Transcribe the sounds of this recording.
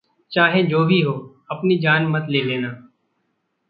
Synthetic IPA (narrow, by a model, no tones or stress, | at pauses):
t͡ʃaːɦẽːd͡ʒoːbʱiːɦoː | əpniːd͡ʒaːnmət̪leːleːnaː